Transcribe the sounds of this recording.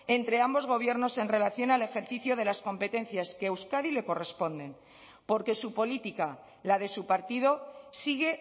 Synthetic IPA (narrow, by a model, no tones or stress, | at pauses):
e̞nt̪ɾe̞ambo̞zɣ̞o̞β̞je̞ɾno̞se̞nre̞laθjo̞nale̞xe̞ɾθiθjoð̞e̞lasko̞mpe̞t̪e̞n̟θjaskeːwskaðile̞ko̞re̞spo̞nd̪e̞m | po̞ɾke̞supo̞lit̪ika | lað̞e̞supaɾt̪ið̞o̞siɣe̞